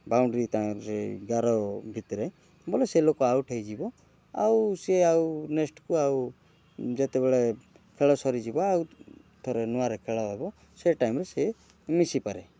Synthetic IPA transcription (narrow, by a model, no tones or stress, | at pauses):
bawɳɖɾit̪aɾeɡaɾɔbʱit̪ɾe | boleselokɔawʈʰejd͡ʒibɔ | a̰wseawnesʈkuaw | d͡ʒet̪ebɛɭe | kʰeɭɔsɔɾid͡ʒibɔaw | t̪ʰɔɾenuaɾekʰeɭɔɦɔbɔ | seʈajmɾese | misipaɾe